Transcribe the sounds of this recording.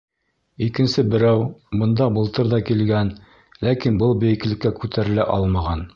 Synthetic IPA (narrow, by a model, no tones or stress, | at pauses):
ikɘ̆nsɘbɘ̆ɾæwbɤ̆nd̪ɑbɤ̆lˠt̪ɤɾðɑkilɡæn | lækinbɤlˠbɘ̆jɘ̆k̆lɘ̆kːækʉt̪ʰæɾɘ̆læʔɑlˠmɑʁɑn